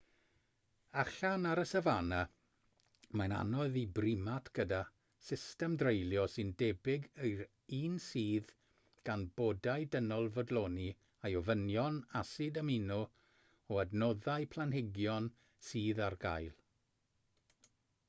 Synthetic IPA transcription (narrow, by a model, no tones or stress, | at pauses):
aɬanaɾəsəvana | mana̰nɔðibrɪmatʰɡ̥əda | sɪstɛmdrejlˠjɔsɨndɛbɪɡəjr | iːnsiːð | ɡ̥anbodajdənɔlˠvɔdlˠoːni | ajɔvənjɔnasɪdəminuɔ | ɔədnɔðajpʰlˠanhɪɡjɔn | siːðarɡa̰jlˠ